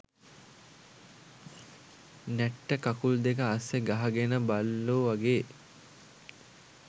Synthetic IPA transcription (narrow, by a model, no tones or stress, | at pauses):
nɛʈːəkakuld̪ekəːseɡaɦɐɡenəbalːoːʋaɡeː